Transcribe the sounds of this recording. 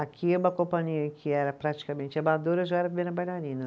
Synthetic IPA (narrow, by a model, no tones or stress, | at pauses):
akiɛũmɐkõpɐ̃ɲiɐkʰɪɛɾɐpɾat͡ʃi̥kamẽt͡ʃɪabad̪oɾɐʒaɛɾɐvibẽnɐbajlaɾĩnɐ